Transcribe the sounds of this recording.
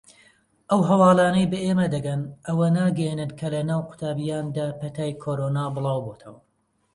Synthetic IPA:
ʔɐwɦɐwɑːlˠaːnɐjbɐʔeːmɐd̪ɐɡɐnʔɐwɐnaːɡɐjenɨnkʰɐlɐnaːwqʰʊ̥t̪ʰaːbijaːnd̪aːpʰɐt̪ʰaːjkʰoɾoːnaːbɨlˠɑːwboːt̪ʰɐwɐ

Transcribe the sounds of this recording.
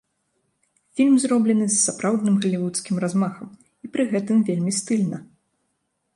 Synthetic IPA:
fʲilʲmzɾɔblʲɛnɨsːapɾʔawd̪nɨmɣɐlʲivut̪skʲimɾazmaxɐm | ipɾɨɣɛt̪ɨmvʲelʲmʲist̪ɨlʲnɐ

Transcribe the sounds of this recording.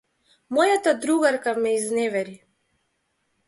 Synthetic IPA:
mɔjat̪ad̪ɾuɣaɾkamɛiznɛvɛɾi

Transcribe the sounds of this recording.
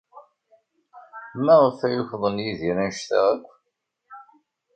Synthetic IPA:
mæʁəfæjʊçðˤənjiðiɾænʃθæ̰ʁækʷː

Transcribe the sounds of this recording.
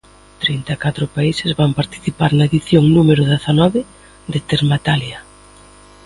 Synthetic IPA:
t̪ɾint̪akat̪ɾʊpaisezβampaɾt̪i̥θipaɾnaeðiθjoŋnumeɾʊðeθanɔβɪ | ðet̪eɾmat̪aljɐ

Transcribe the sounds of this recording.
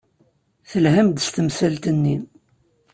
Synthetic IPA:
θəlɦæmd̪əst̪əmsælt̪ənːi

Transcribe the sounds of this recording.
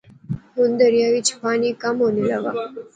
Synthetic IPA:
ɦund̪əɾjaʋit͡ɕʰpanikamɦonelaʋa

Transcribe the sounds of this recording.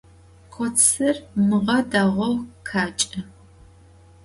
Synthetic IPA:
qʷʰɔsɨrmɨʁɐdaːʁʷɔwkʰaːt͡ʃʼɐ

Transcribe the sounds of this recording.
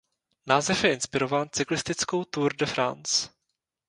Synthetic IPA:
naːzɛfjɛʔɪnspɪɾo̞vaːnt͡sɪklɪst̪ɪt͡skowt̪uːɾdɛfɾa̰nt͡s

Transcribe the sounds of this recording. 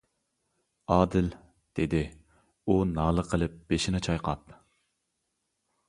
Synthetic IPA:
ɑːd̪ɪl | d̪̥ed̪ɪ | unɑːlˠəqʰəlˠɨp̚b̥eʃinɪt͡ʃʰɑjqʰɑp

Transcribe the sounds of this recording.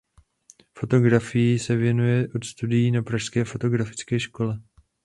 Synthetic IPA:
fo̞t̪o̞ɡɾafɪjisɛvjɛnujɛʔot̪st̪udɪjiːnapɾaʃskɛːfo̞t̪o̞ɡɾafɪ̥t͡skɛːʃko̞lɛ

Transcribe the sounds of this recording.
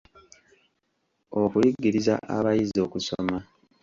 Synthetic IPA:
okujiɡiɾiza̰ʔa̰βajizo̞kuso̰ma

